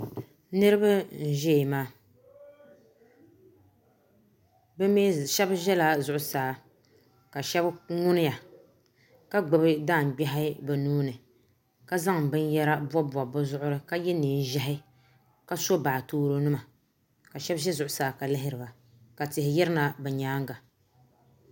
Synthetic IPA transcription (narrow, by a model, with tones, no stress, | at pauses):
nɨ˦ɾɨ˦ba˦n̩˨ʒɛ˦˨maː˦ | bɛ˦me˦ʃɛ˦bʒɛ˦la˨zʊ˨ʔʊ˨saː˨˦ | ka˨ʃɛ˦bŋʊ˦nɪ˦ja˨ | ka˦ɡ͡bɨ˨bɨ˦daː˦˨m̩˨bɛ˦ɦɪ˦bɛ˨nuː˦nɨ˨ | ka˦za˦ŋ˨bɨ˦njɛ˦ɾa˦bɔ˦ba˨bʊ˦zʊ˦ʔʊ˦ɾɨ˦ka˦jɛ˦niː˨n˦ʒɛ˦ɦɪ˦ | ka˦so˦baː˨toː˦ɾo˦nɨ˦ma˨ | ka˨ʃɛ˦bʒɛ˦zʊ˨ʔʊ˨saː˨ka˨lɪ˦ɦɪ˦ɾɨ˨ba˨ | ka˨tɪ˨hɪ˨jɛ˦ɾɨ˦na˨bɛ˨ɲaː˨˦ŋɡa˨